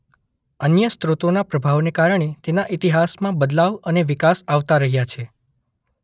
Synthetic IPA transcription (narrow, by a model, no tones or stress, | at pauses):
ənjəst̪ɾut̪onapɾəbʱaʋnekaɾɳ̃et̪enaʔit̪iɦasmãbəd̪laʋəneʋikasaʋt̪aɾəɦjat͡ʃʰe